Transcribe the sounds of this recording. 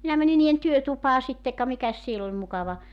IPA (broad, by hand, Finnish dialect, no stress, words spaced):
minæ mæni niːen tyøtupɑː sitːe kɑ mikæs siel olʲ mukɑʋɑ